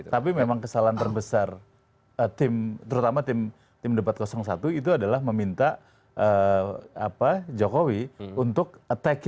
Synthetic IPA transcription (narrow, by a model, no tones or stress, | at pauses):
t̪apimemaŋkəsalaant̪ərbəsar | ət̪ɪmt̪əɾut̪amat̪ɪm | t̪ɪmdəpat̪̚kosɔŋsat̪uit̪uadalahməmint̪a | ʔəa̰pad͡ʒokowiunt̪ʊk̚t̪ɛk